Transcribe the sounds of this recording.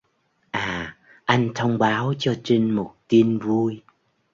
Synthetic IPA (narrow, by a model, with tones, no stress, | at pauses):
ʔaː˨˩ | ʔa˧jŋ̟t̪ʰə˧wŋ͡mɓaː˨˦wt͡ɕɔ˧t͡ɕi˧ŋmo˨˩t̚t̪i˧nvu˧j